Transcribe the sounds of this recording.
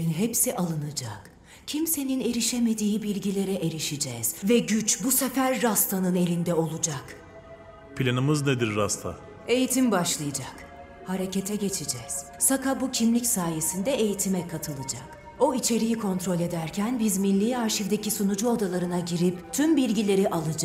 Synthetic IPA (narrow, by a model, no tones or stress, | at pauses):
nɦepsiʔalˠɯnɯd͡ʒak | cʰimse̞nine̞ɾiʃeme̞d̪iːbilʲɟilʲe̞ɾɛʔe̞ɾiʃid͡ʒɛz̥vɛɟyt͡ʃbusefæɾːast̪ʰanɯne̞lʲind̪ɛo̞lˠud͡ʒak | pʰlʲanɯmɯzned̪iɾːast̪ʰa̰ | e̞jit̪ʰimbaʃlˠɯjad͡ʒak | haɾe̞ce̞t̪ʰɛɟe̞t͡ʃʰid͡ʒɛz̥sakabucʰimlʲicsaːje̞sind̪ɛe̞jit̪ʰimɛkʰat̪ʰɯlˠɯd͡ʒak | o̞it͡ʃʰe̞ɾijikʰo̞nt̪ɾo̞lʲe̞d̪æɾcʰænbizminːʲiːaɾʃivd̪ecisunud͡ʒuod̪alˠaɾɯnaɟiɾipt̪ʰymbilʲɟilʲe̞ɾiʔalˠɯd͡ʒak